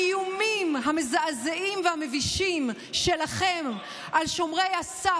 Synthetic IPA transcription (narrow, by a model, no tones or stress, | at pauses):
ijumimɦamezaʔazeʔimvehameviʃim | ʃe̞laχem | ʔalʃomʁejasa